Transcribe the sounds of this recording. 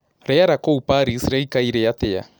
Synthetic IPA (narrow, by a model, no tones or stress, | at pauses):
ɾejaɾakoupaɾisɾejkaiɾejat̪eja̰